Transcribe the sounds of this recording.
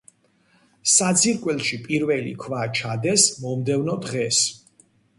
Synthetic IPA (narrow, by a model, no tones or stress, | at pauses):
sad̪ziɾkʼwɛlˠʃipʼiɾvɛlḭkʰvat͡ʃʰad̪ɛsmɔmd̪ɛvnɔd̪ʁɛs